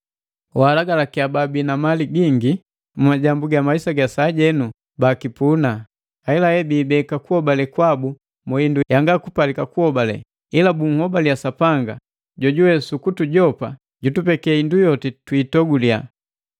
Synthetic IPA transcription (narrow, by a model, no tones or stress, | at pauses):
walaɡalakiababinamaliɡiŋɡi | mumaɟambuɡamaisaɡasaːɟɛnu | bakipunaː | ɛlahɛbiːbɛkakuhɔbalɛkwabu | mɔindujaŋɡakupalikakuhɔbalɛ̰ | ilabuŋ̩hɔbalijasapaŋɡa | ɟɔɟuwɛsukutuɟɔpa̰ | ɟutupɛkɛindujɔtɛtwitɔɡulia